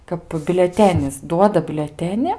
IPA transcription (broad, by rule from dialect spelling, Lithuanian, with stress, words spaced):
kɐp bʲʊlʲɛˈtʲæːnʲɪs ˈduɔdɐ bʲʊlʲɛˈtʲæːnʲɪ